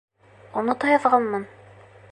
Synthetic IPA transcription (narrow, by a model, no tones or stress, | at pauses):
unɤt̪ɒjɑðʁɑnmɤn